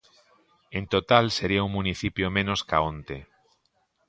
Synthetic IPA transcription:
ẽnt̪ot̪alseɾiauŋmũniθipjomẽnoskaõnt̪e

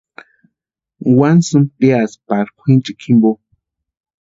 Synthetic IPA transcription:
wansɨmpeaspaɾkʷʰint͡ʃikʰimbo

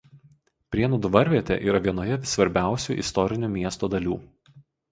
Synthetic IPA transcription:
pʲɾʲiɛnuːd̪ʊʋɐɾʲʋʲiɛt̪ʲḛʔḭːɾɐʋʲiɛnoːjɛsʋɐɾʲbʲæˑʊsʲuːʔɪ̰st̪ɔɾʲɪnʲuːmʲiɛst̪oːd̪ɐlʲuː

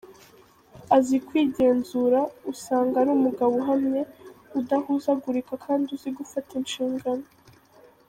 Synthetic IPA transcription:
azikwiːɟe̞ːnzuɾausaːŋɡaɾuːmuɡawoɦamɲe̞udahuzaɡuɾikakʰaːndiuziɡufatinʃiːŋɡano

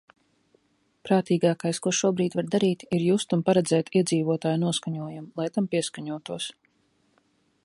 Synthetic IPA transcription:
pɾaːt̪iːɡaːkajskuɔʃuɔbɾiːd̪vaɾd̪aɾiːt̪iɾjuːst̪unpaɾɛd̪zɛːt̪ʰiɛziːvuɔt̪aːjnuɔskaɲuɔjamlˠajt̪ampiɛskaɲuɔt̪uɔs

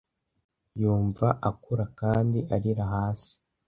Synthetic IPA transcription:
juːɱvaʔakuɾakaːndiʔaɾiɾaɦaːsi̥

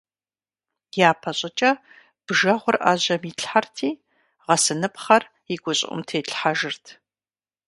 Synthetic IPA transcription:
jaːpʰɐɕʼɐt͡ʃʼɐ | b̥ʒɐʁʷʊrʔa̰ːʑɐmiɬħartʰiː | ʁɐsɨnɨpχɐr | iɡʷʊɕʼɪ̰ʔʷʼʊ̰mtʰeːɬħaʒɨrtʰ

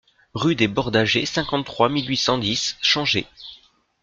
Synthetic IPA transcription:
ʁyd̪ebɔʁd̪aʒesɛ̃kɑ̃t̪t̪ːχwamilɥisɑ̃d̪isʃɑ̃ʒḛ

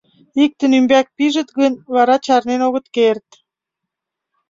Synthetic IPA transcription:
ik̚t̪ə̆nymbæk̚piʒə̆t̪ɡənβɑɾɑt͡ɕɑrnenoɣə̆t̪kert̪

